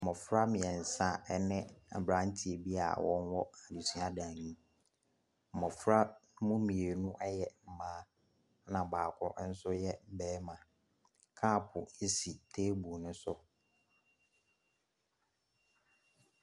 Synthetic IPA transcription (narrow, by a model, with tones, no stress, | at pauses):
m̩˨mɔ˨fɾa˦mɪ̃˨ɛ̃˨n̩˨sã˦˨ɛ˦nɪ̃˦a̰˨bɾã˨˦n˦tʰi˨e˨bi˦a̰˨wɔ̃˦nwɔ˦a˨di˨sɥa˦dã˨ɲĩ˦ | m̩˨mɔ̃˨fɾa˦mʊ̃˦mĩ˨e˨nũ˦ʔɛ˦jɛ˨mm̩˨mãː˦ | nã˨baː˨kʷʰɔ˦n̩˦sʊ˦jɛ˦m̩˨˦bɛː˦mã˨ | kʰaː˦˨pʰʊ˨e˦si˨tʰeː˦bu˨nʊ̃˦sʊ˦